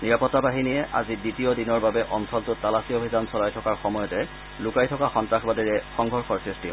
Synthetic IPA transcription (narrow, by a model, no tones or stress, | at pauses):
niɹapɔtːabaɦiniɛʔa̰ziditiodinɔɹbabɛʔɔnsɔltʊtalasiobʱizansɔlajtʰɔkaɹxɔmɔjɔtɛ | lʊkajtʰɔkaxɔntɹakʰbadɔɹɛxɔŋɡʱɔɹxɔɹsɹistiɦɔj